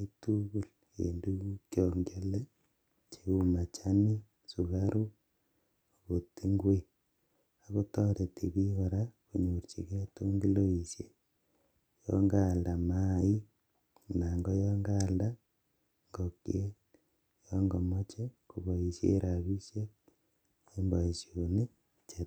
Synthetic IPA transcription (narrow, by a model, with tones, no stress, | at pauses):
i˦tu˦ɣu˨l | ḛndu˦kjɔŋɡele˦ | t͡ʃeuma˨t͡ʃa˦ni˦ | suɣa˦ɾu˦ | ɣo˨ti˦ŋɡwe˦˨ | a˨ɣo˦tɔ˦ɾe˨tiβi˦ɣa˨ɾaku˨ɲuɾt͡ʃḭ˨ke˦to˦ŋɡi˦lo˦iʃjḛ | jo̰ŋɡalda˨mai˦ | na˨ŋɡo˦joŋɡalda˦ | ŋɡokḭe˦ | joŋɡomot͡ʃekuβo˨isjḛːɾʔaβiʃje˦ | embo˨i˨sjone | t͡ʃe